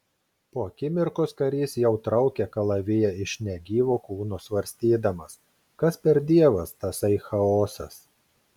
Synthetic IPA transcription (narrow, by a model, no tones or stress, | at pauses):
poːɐkʲɪmʲɪɾkoːskɐɾʲiːsjɛʊt̪ɾɐʊkʲɛkɐlˠɐʋʲɪjɛɪʃʲnʲɛɡʲiːʋoːkuːnʊsʋɐɾʲsʲt̪ʲiːd̪ɐmɐs | kɐspʲɛɾd̪ʲiɛʋɐst̪ɐsɐɪxɐoːsɐ̰s